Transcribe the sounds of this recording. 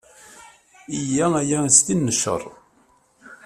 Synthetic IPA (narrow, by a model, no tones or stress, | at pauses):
ijææjæst̪inːəʃə̰rˤ